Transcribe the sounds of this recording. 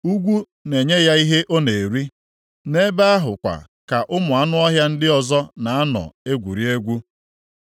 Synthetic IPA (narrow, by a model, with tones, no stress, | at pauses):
u˦ɡʷu˦ | ne˨ɲe˦ja˦i˦ɦe˦ʔo˦ne˨e˨ɾi˦ | ne˦ba˦a˦ɦʊ˨kʷa̰˨ | ka˨ʔʊ˦mʊ˨a˦nʊ˦ɔ˦ɦja˦n̩˦dɪ˦ɔ˨zɔ˦na˨a˦nɔ̰˨e˦ɡʷu˨ɾi˦e˦ɡʷu˦